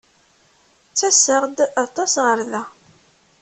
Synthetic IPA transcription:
t͡sːæsəʁd̪ɑt̪ˤɑsʁəɾðæ

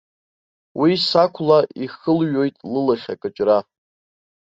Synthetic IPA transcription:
wʔisakʷʰlaʔiχəlɥo̞jtʼlɨlaχʲa̰kʼɨt͡ʃʼra

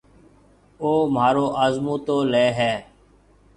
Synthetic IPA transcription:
oːmaːɾoːʔaːzmũːt̪oːleːɦɛː

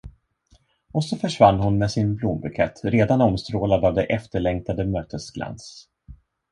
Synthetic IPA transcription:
ɔsɔfœʂvanːhʊnmɛsɪnblumbɵkʰɛ̰t̪ʰːɾeːd̪anɔmst̪ɾoːlad̪avd̪ɛʔɛft̪əɭɛŋk̚t̪ad̪əmøːt̪ʰəsɡla̰ns

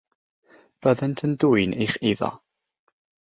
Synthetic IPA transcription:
b̥əðəntʰənduːɨnʔejχeðɔ̰

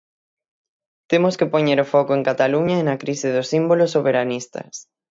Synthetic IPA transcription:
t̪emoskɪpoɲeɾofɔkoeŋkat̪aluɲɐenɐkɾisɪðʊsimbolosːoβeɾanist̪ɐ̰s

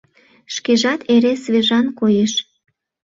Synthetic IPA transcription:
ʃkeʒɑt̪ʰeɾesβeʒɑnkojeʃ

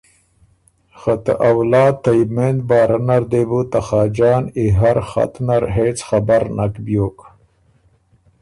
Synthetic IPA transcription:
xat̪ə̰ʔawlɑːd̪̚t̪ːajmend̪̚bɑːɾanaɾd̪ebut̪axaːd͡ʒɑːniɦaɾxa̰t̪naɾɦeːt͡sxabaɾnakbjoːk

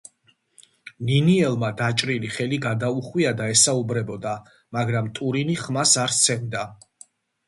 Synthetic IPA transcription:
niniɛlˠmad̪at͡ʃʼɾiliχɛliɡad̪auχwiad̪aɛsaubɾɛbɔd̪a | maɡɾamt̪ʼuɾiniχmasaɾt̪sʰɛmd̪a

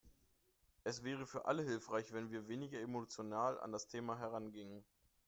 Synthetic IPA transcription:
ʔɛsv̥ɛːʁ̞əfyːɐʔa̰ləɦɪlfʁ̥aɪçv̥ɛnviːɐveːnɪɡɐemot͡sjonaːla̰ndastʰeːmaɦɛʁanɡɪŋən

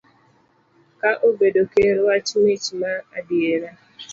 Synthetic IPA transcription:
kaʔobedokeɾwat͡ʃmet͡ʃmaadjeɾa

